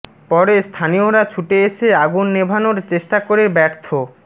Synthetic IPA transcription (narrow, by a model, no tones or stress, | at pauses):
pɔɾest̪ʰanioɾat͡ɕʰuʈeeʃʰeaɡunːebʱanoɾt͡ɕeʃʈakoɾeɾbɛɾt̪ʰo